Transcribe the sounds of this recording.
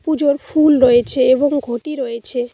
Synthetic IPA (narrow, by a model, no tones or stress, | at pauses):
pud͡ʑoɾfulɾoet͡ɕʰeeboŋɡʱoʈiɾoet͡ɕʰe